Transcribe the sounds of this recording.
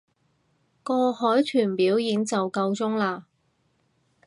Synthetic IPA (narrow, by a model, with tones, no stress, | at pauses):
kɔː˧hɔː˨˥jt̪ʰyː˨˩npiː˨˥wjiː˨˥ŋt͡sɐ˨wkɐ˧wt͡sʊ˥ŋlaː˧